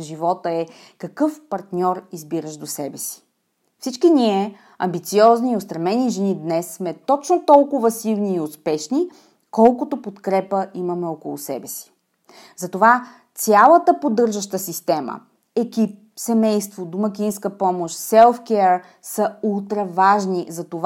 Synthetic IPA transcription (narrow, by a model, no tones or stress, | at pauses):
ʒivɔt̪əɛ | kɐkɤfpɐɾt̪nʲɔɾizbiɾəʃd̪osɛbɛsi̥ | fsit͡ʃkiniɛ | ɐ̰mbit̪siɔzniːost̪ɾɐmɛniʒɛnid̪nɛsːmɛt̪ɔt͡ʃnot̪ɔlˠkʊvɐsivniːʊspɛʃni | kɔlˠkʊt̪opot̪kɾɛpəimɐmɛɔkʊlˠʊ̰sɛ̰bɛsi̥ | zɐt̪ova | t̪sʲjalˠət̪əpod̪ɤɾʒɐʃt̪əsist̪ɛmə̰ | ɛkʲip̚sɛmɛjst̪vod̪ʊmɐkʲinskəpɔmoʃt̪sɛlˠfkɛɾ | səulˠt̪ɾɛvaʒnizɐt̪ova